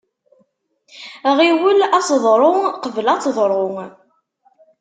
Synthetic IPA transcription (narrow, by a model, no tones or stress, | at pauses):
ʁiwəlæsəðˤɾˤʊŋqəvəlɑt͡sːðˤɾˤoŋ